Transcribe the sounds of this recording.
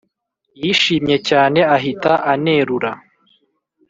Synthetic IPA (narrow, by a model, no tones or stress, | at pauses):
jiʃiːmɲe̞caːne̞aɦitaʔane̞ɾuɾa